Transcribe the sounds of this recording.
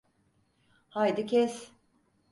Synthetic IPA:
hajd̪ɯcʲʰɛs

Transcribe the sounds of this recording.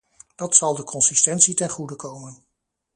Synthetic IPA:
d̥ɑtsɑlˠdəkɔnsistɛntsitɛnχudəkowmən

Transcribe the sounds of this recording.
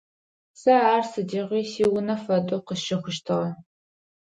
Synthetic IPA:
sɐaːrsɨdiːʁʷiːsiːwʊnɐfɐdʼoqəʃɪxʷʊʃtʰɨʁɐ

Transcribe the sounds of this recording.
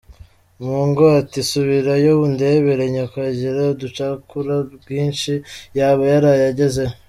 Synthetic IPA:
muŋɡoatisuβiɾajoβunde̞βeɾeɲekwaɟiɾadut͡ʃakuɾaɡiːnʃijaːβajaɾajaɟe̞ze

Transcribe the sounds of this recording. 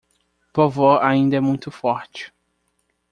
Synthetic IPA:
povoɾaĩnd̪ɐɛmũj̃t̪ʊfɔɾt͡ʃɪ̥

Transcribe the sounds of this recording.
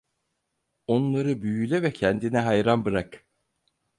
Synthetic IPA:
o̞nlˠaɾɯbyjylʲɛvɛcʰɛnd̪inɛɦajɾanbɯɾak

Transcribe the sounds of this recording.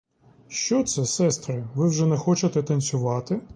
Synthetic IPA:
ʃt͡ʃɔt̪sɛsɛst̪ɾɪʋɪwʒɛnɛxɔt͡ʃɐt̪ɛt̪ɐnʲsʲʊʋɑt̪ɪ

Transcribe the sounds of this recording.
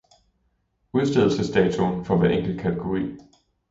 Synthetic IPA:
uð̞ˠsd̥e̝ð̰ˠl̩səsd̥ɛːt͡sʰunfɒ̽ʋæɐeŋ̰ɡ̥l̩kʰæt͡sʰe̝ɡ̥o̝ʁḭː

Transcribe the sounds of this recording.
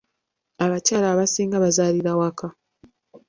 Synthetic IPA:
aβacaːlaːβasiːŋɡaβazaːliɾawaka

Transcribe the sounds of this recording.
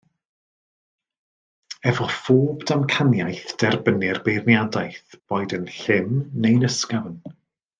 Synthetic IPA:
ɛvɔfoːbdamkʰanjajθd̥ɛrbənɪrbejrnjadajθb̥oːjdənɬɪmnejnəskavən

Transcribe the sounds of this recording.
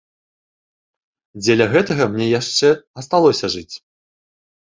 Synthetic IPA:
d͡zʲelʲɐɣɛt̪ɐɣɐmnʲɛjaʂt͡ʂɛɐst̪alˠɔsʲɐʐɨt͡sʲ

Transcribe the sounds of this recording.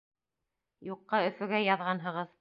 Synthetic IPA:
juqːɑɵ̆fɵ̆ɡæjɑðʁɑnɦɤ̆ʁɤð

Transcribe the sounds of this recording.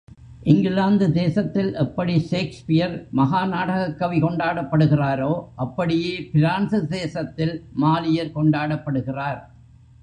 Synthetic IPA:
ʔɪŋɡɪlaːnd̪ɯd̪eːsɐt̪ːɪlʔɛpːɐɽiʃeːkspɪjɐɾmɐɣaːnaːɽɐɣɐkːɐʋikɔɳɖaːɽɐpːɐɽɯɣɪraːɾoːʔɐpːɐɽɪjeːpɪɾaːnsɯd̪eːsɐt̪ːɪlmaːlɪjɐɾkɔɳɖaːɽɐpːɐɽɯɣɪraːɾ

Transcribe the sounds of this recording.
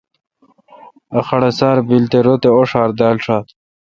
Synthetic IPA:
aχɐɽesɑːɾbilt̪eɾot̪eoʂaːɾd̪ɑːlʂaːt̪

